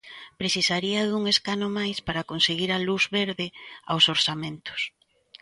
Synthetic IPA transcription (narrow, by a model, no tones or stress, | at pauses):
pɾeθisaɾiɐðuŋeskanomajspaɾakonseɣiɾɐluzβeɾðeawsoɾsamẽnt̪ʊ̥s